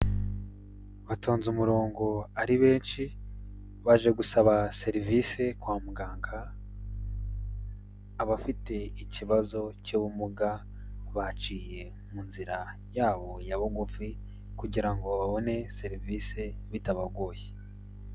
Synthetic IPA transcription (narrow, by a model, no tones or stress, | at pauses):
βatʰoːnzumuɾo̞ːŋɡo̞aɾiβe̞ːnʃi | βaʒe̞ɡusaβase̞ɾiviːse̞kwaːmuɡaːŋɡa | βafite̞iciβazo̞cuβumuɡa | βat͡ʃiːje̞ | munziɾa | jaːβo̞jaβoɡufi | kuɟiɾaŋɡo̞βaβo̞ne̞se̞ɾiviːse̞βitaβaɡoːje̥